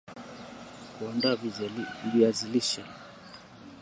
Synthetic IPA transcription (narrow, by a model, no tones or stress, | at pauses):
kɔnda | viaziliʃɛ